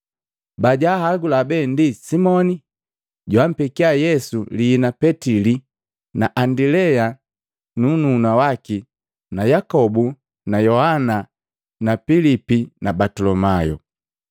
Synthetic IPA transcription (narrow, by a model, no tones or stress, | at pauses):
baɟahaɡulabɛndisimɔni | ɟwam̩pikiajɛsuliːnapɛtili | naʔandilɛja | nununawaki | najakɔbu | najɔhana | napilipinabatɔlɔmajɔ̰